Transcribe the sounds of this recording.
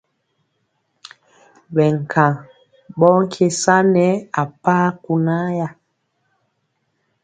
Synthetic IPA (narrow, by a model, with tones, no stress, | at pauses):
ɓɛ˨ŋ˨kʰa˨ | ɓɔ˦ŋ̩˦kʰe˦sa˦nɛ˦a˨paː˦ku˨na˦ja˦